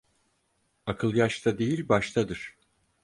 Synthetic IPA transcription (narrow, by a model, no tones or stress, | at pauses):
akʰɯlˠjaʃt̪ʰad̪e̞jilʲbaʃt̪ʰad̪ɯɾ̥